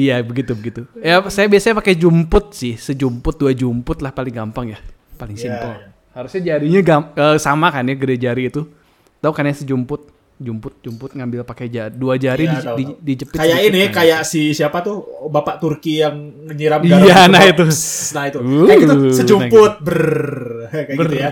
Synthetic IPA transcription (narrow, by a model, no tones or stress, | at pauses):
ijabəɡit̪ubəɡit̪ujasajabiasaɲapakɛd͡ʒumpʊt̪̚sɪhsəd͡ʒumpʊt̪̚duad͡ʒumpʊt̪̚lahpalɪŋɡampaŋjapalɪŋsint̪ɔ | haɾusɲad͡ʒaɾiɲaɡaəːsamakanjaɡəded͡ʒaɾiːt̪u | t̪aukanjasəd͡ʒumpʊt̪̚ | d͡ʒumpʊt̪̚d͡ʒumpʊt̪̚ŋambɪlpakɛd͡ʒaduad͡ʒaɾiididid͡ʒəpɪkajakinɪkajaʔsisiapat̪ʊhbapaʔt̪urkijaŋː | əɲiɾamiɡajanait̪unait̪uuaaɡit̪usəd͡ʒumpʊt̪̚bər | kaaba